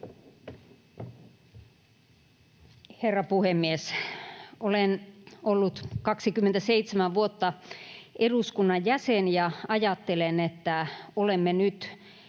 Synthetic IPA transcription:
herːɑpuhemːies | olenolːut̪kɑksikymːent̪æseit̪semæʋuot̪ːɑʔeduskunːɑjjæsenjɑɑjɑt̪ːelenet̪ːæolemːenyt̪

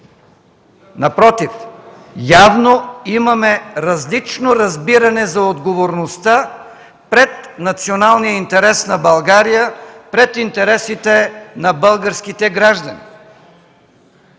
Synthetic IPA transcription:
nɐpɾɔt̪if | javnoimɐmɛɾɐzlit͡ʃnoɾɐzbiɾɐnɛzɐod̪ɡovoɾnost̪a | pɾɛt̪nɐt̪sionalˠnijəint̪ɛɾɛsnɐbɐlˠɡaɾijəpɾɛt̪int̪ɛɾɛsit̪ɛnɐbɤlˠɡəɾskit̪ɛɡɾaʒd̪ɐnḭ

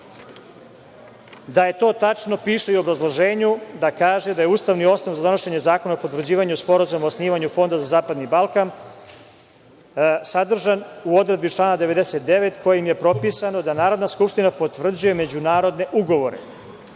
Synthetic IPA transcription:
d̪aje̞t̪o̞ːt̪at͡ʃno̞piːʃeiuo̞bɾazlˠo̞ʒe̞ːɲud̪akaːʒe̞d̪aje̞uːst̪aʋnio̞snoʋzad̪o̞no̞ʃe̞ɲe̞zaːko̞naopot̪vr̩d͡ʑiːʋaɲuspo̞ɾazumaosniːʋaɲufo̞nd̪azazaːpad̪nibalˠkan | sad̪r̩ʒanuo̞d̪ɾe̞d̪bit͡ʃlˠaːnad̪e̞ʋe̞d̪e̞set̪̚d̪e̞ʋe̞t̪ko̞jeimje̞pɾo̞piːsano̞d̪anaːɾo̞d̪naskupʂt̪inapo̞t̪ʋr̩d͡ʑuje̞me̞d͡ʑunaːɾo̞d̪ne̞ʔuɡo̞ʋo̞ɾe̞̰

